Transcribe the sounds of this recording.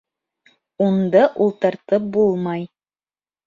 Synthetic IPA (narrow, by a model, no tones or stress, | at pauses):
und̪ɤʔulˠt̪ɤ̆ɾt̪ɤp̚bulˠmɑj